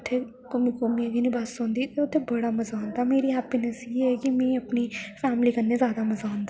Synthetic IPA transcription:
t̪ʰːeː | kʊmikʊmiãːɡinĩbasõːnd̪iːt̪eʊt̪ʰːeːbəɽaːməzaːʊ̃nd̪aːmeːɾiːɦɛːpiːnəseɛːkɪmɛ̃ːəpniːpʰɛːmliːkənːeːzjaːd̪aːməzaːɦʊ̃nd̪aː

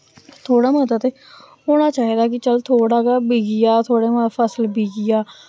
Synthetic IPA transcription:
t̪ʰoːɽaːmət̪ət̪eː | oːnaːt͡ʃaːɦid̪aːkɪt͡ʃəlt̪ʰoːɽaːkabiːɡijaːt̪ʰoːɽeːmapʰəsəlbiːɡijaː

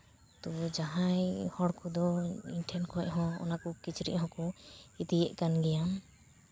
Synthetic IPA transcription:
t̪ɔd͡ʒaɦajhɔɽkʰud̪ɔiɲʈʰɛnkʰɔɛcɦɔ̃ɔ̰nakɔkit͡ʃʰɾḭʔɦɔ̃kɔit̪ijɛʔkanɡɛjam

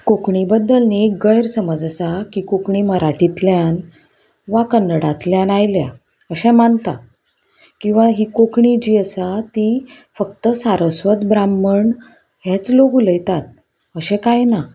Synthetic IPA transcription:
kokɳibəd̪ːəlneɡəjɾsəməd͡zəsakikokɳiməɾaʈit̪ljan | ʋakənːəɽat̪ljãnajlja̰ | əɕɛ̃mant̪a | kĩw̃ʋaɦikokɳid͡ʑiːəsat̪i | fəkt̪əsaɾəsʋət̪bɾamːəɳ | ɦɛt͡sloɡuləjt̪at̪̚ | əɕɛ̃kajna

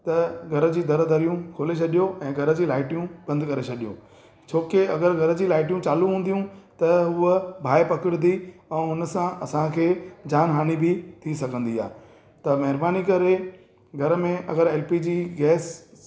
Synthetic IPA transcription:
t̪ɐɡʱɐɾə̆d͡ʑiːd̪ɐɾd̪ɐɾijũkʰoːlet͡ɕʰɐɗijoʔɛ̃ːɡʱɐɾə̆d͡ʑiːlaːɪʈijũb̥ɐ̃nd̪kɐɾet͡ɕʰɐɗijo̰ː | t͡ɕʰoːkeɐɡəɾɡʱɐɾəd͡ʑiːlaːɪʈijũt͡ɕaːlũɦũːnd̪ijũt̪ɐɦuəbʱaːepɐkɪɽɪd̪iɛ̃ːʊnə̆sãɐsãkʰeːd͡ʑaːnɦaːñibɪt̪ʰisɐɡʱə̃nd̪ia̰ː | t̪ɐmɐɦɪɾbaːnikɐɾe | ɡʱɐɾəmẽʔɐ̰ɡəɾeːlpid͡ʑiːɡɛːs

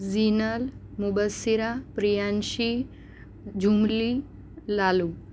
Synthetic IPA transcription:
zinəl | mubəsːiɾapɾijanɕi | d͡ʑumli | lalu

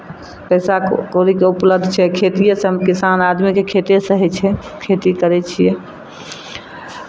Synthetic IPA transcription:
pəsakoɾikeupləb̚d̪ʱt͡ʃʰɛkʰet̪ijesəmkisanad̪mikekʰet̪esəɦɛt͡ʃʰɛkʰet̪ikəɾɛt͡ʃʰijɛ

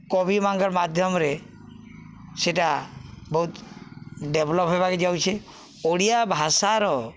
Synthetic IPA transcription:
kɔbimaŋɡɔɾmad̪ʱjɔmɾe | seʈabɔɦut̪ | ɖebʱlɔpɦebaked͡ʒawt͡ʃʰe | oɽijabʱasaɾɔ

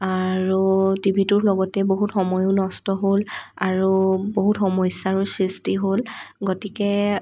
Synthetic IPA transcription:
aɹutibʱitʊɹlɔɡɔtɛboɦutxɔmɔjʊnɔstɔɦolaɹuboɦutxɔmɔjsaɹusɹistiɦolɡotikɛ

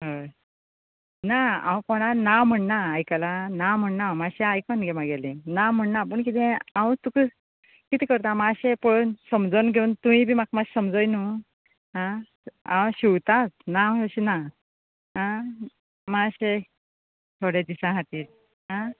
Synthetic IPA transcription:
ɦə | naã̰wkoɽ̃anawm̤əɳnaːjkalanawm̤əɳnamaɕeajkənɡʱemãɡelẽnawm̤əɳnap̬əɳk̬it̪ʰẽãwt̪ukə | kit̪ʰikəɾt̪amaɕepoɭonsəmd͡zənɡʱeunt̪umibʱimakmaɕsəmd͡zəjnu | ɦã | ãwɕiwt̪at͡snaɕina | ɦã | maɕe | t̪ʰoɽed̪isãɦat̪iːɾ | ɦã

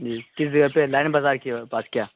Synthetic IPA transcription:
d͡ʒiːkɪsd͡ʒɐɡəpelaːɪnbazaːɾkipaːskjaː

